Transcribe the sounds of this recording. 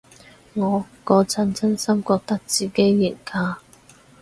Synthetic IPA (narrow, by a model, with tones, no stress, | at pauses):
ŋɔː˨˧ | kɔː˨˧t͡sʰɐ˨˥nt͡sʰɐ˥nsɐ˥mkɔː˧k̚t̪ɐ˥k̚t͡siː˨ke˥jːɪ˨˩ŋkʰaː˧